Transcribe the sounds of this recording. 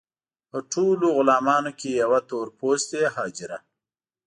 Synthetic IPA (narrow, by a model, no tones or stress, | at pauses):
pəʈʰoloɣʊlɑːmɑːnokejawat̪oːɾpost̪eɦɑːd͡ʒɪɾa